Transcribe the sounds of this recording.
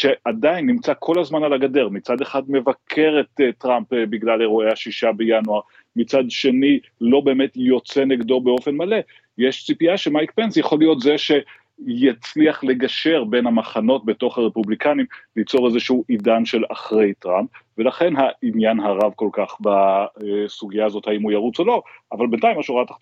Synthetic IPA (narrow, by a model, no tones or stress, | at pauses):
ʃe̞ʔadainːimt͡sakʰo̞lazmanalaɡade̞ʁmit͡sad̪eχadme̞vakʰe̞ʁet̪tʁampbiɡlaleʁoeaʃiʃabe̞januaʁ | mit͡sadʃe̞ni | lo̞be̞ːme̞tjo̞t͡seniɡdo̞be̞o̞fe̞nmale̞ | jeʃt͡sipiaʃemajkpe̞nsjaχo̞lijo̞tzeʃe̞ | jat͡sliaχle̞ɡaʃe̞ʁbe̞nhamaχano̞t̚be̞to̞χhaʁe̞publikanimlit͡so̞ʁezeʃuuʔidanʃe̞la̰χʁe̞jtʁamp̚ve̞laχe̞nɦainjanɦaʁavko̞lkaχba | suɡijaːzo̞thaimujaʁut͡so̞lo̞avalbentaimaʃuʁat̪a